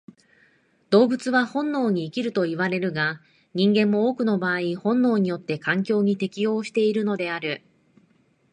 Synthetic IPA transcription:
d̪̥o̞ːbɯ̟t͡sɨβahõ̞nːo̞ːɲ̟iːkʲiɾɯ̟t̪o̞iβ̞aɾe̞ɾɯ̟ɡa | ɲ̟ĩŋɡẽ̞mːo̞oːkɯ̟no̞baːihõ̞nːo̞ːɲ̟ijo̞t̪ːe̞kãŋk̬ʲo̞ːɲ̟it̪e̞kʲijo̞ːɕi̥t̪e̞iɾɯ̟no̞d̪e̞aɾɯ̟

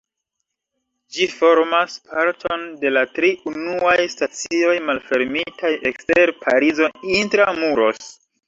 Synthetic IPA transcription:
d͡ʒifo̞ɾmaspʰaɾtʰo̞nde̞latɾiunuajstat͡sio̞jmalfe̞ɾmitaje̞kste̞ɾpʰaɾizo̞intɾamuɾo̞s

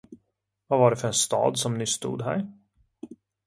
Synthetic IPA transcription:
vavaɖɛfœɾɛnst̪ɑ̰ːd̪sɔmnʏsːt̪ṵːd̪ɦæ̰ɾ

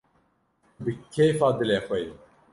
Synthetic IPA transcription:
bɨkʲʰejfaːd̪ɨleːxʷɛj

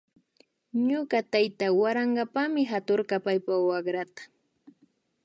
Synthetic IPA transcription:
ɲʊɢat̪ajt̪awaɾaɴɢapamɪɦat̪oɾkapajpawaɢɾat̪ḁ

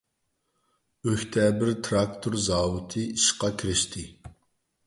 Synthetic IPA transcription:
øht̪ʰɛːbɪɾt̪ʰɾɑkt̪ʰoɾzɑːwɨt̪ʰɨiʃqɑkʲʰiɾɪʃt̪ʰɪ

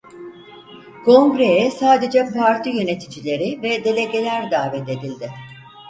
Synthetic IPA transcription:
kʰo̞ŋɡɾe̞jɛsaːd̪e̞d͡ʒɛpʰaɾt̪ʰijø̞ne̞t̪ʰid͡ʒilʲe̞ɾɪvɛd̪e̞lʲe̞ɟe̞lʲæɾd̪aːvɛt̪e̞d̪ilʲd̪ɪ

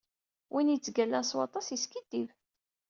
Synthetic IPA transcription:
wʔinjit͡sːɡælːænswɑ̰t̪ˤɑsjiskid̪̥ːiv

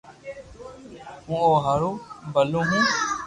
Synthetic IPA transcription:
ɦũːoːɦaɾũːbəlõːɦũː

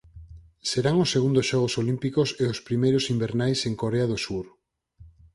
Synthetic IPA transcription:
seɾaŋʊsːeɣund̪ʊsʃɔɣ̞osolimpikoseospɾimejɾosimbeɾnajseŋkoɾeaðosuɾ

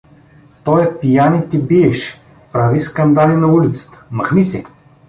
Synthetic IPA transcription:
t̪ɔjɛpijanit̪ibiɛʃ | pɾaviskɐnd̪alinɐulit̪sə̥t̪ə̥mɐxnisɛ

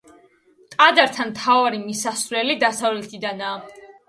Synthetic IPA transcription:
t̪ʼad̪aɾt̪ʰanmt̪ʰavaɾimisasvɾɛlid̪asavlɛt̪ʰid̪anaː

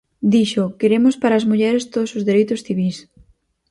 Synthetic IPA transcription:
d̪iʃʊkeɾemʊspaɾaːzmuʎɛɾest̪oðosʊzðeɾejt̪ʊsθiβis

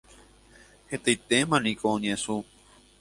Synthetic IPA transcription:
het̪ait̪emãnĩkoõɲẽsu

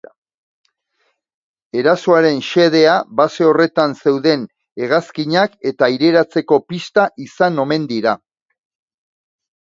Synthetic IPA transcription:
e̞ɾaso̞aɾe̞nʃe̞ð̞e̞aβase̞o̞re̞t̪anse̞wðe̞n | e̞ɣ̞askiɲake̞t̪aiɾe̞ɾat͡se̞ko̞pist̪aʔisano̞me̞nd̪iɾa

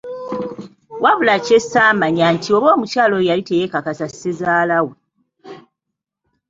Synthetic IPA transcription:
waβulacesaːmaɲaːntʰio̞βo̞ːmucaːlo̞jalite̞jekakasasːezaːlawe

